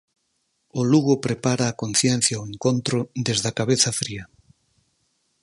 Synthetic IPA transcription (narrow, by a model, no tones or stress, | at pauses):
oluɣ̞opɾepaɾaːkon̟θjen̟θjaoeŋkõnt̪ɾoðezðakaβ̞eθafɾia